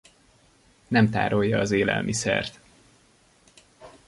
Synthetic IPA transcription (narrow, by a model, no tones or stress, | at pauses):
nɛmt̪a̰ːɾo̞jːɒːzeːlɛ̰lmʔisɛ̰rt̪